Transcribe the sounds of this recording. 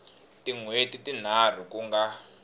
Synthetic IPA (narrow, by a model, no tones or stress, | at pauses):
tiŋwetitin̤ar̤ukuŋɡa